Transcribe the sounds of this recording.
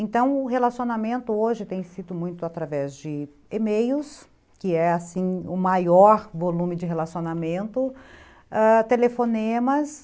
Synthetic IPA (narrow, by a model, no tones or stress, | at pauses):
ẽnt̪ɐ̃w̃ʊɦelasionamẽnt̪ʊoʒɪt̪ẽj̃sid̪ʊmũj̃t̪ʊat̪ɾavɛzd͡ʒɪ | emejʊs | kɪɛasĩʊmajɔɾvolũmɪd͡ʒɪɦelasionamẽnt̪ʊ | at̪elefonẽmɐs